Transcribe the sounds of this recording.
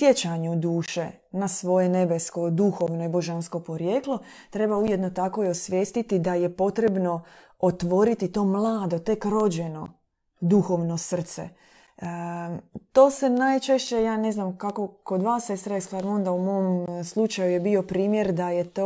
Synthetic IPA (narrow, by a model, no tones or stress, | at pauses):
sjet͡ɕaɲud̪uːʃe | nasʋo̞jene̞besko̞d̪uxo̞ʋnoibo̞ʒansko̞po̞ɾjeːklot̪ɾe̞baujed̪not̪ako̞josʋjeːst̪it̪id̪aje̞po̞t̪ɾe̞bno̞ | ot̪ʋo̞ɾit̪it̪o̞ːmlˠaːd̪o̞t̪e̞kɾo̞d͡ʑe̞no̞̰ | d̪uxo̞ʋno̞sr̩t̪sḛ | t̪o̞ːse̞najt͡ʃe̞ʃt͡ɕe̞jaːne̞znamkako̞ko̞d̪ʋaːse̞st̪ɾaislaɾmond̪aumo̞mslˠut͡ʃajujebio̞pɾiːmje̞ɾd̪ajet̪o